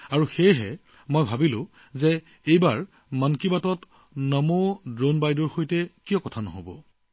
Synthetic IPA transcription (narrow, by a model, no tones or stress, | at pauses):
aɹuxejɦɛ | mojbʱabilʊ̃ | zɛ | ejbaɹ | mankibatɔt | nɔmodɹonbajdɔɹxojtɛkijɔkɔtʰanɔ̰ɦobɔ̰